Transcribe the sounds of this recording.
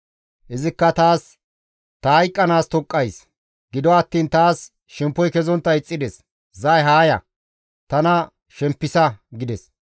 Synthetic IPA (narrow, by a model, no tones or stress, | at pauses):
ʔɪzɪkːɐt̪aːs | t̪ɐɐjkʼːɐnaːst̪ɔkʼːɐjs | ɡɪd̪ɔɐt̪ːiːnt̪aːs | ʃɛmpːɔjkɛzɔnt̪ːɐɪt͡sʼːɪd̪ɛs | zɐjɦaːjɐ̰ | t̪ɐnɐ | ʃɛmpːɪsɐɡɪd̪ɛs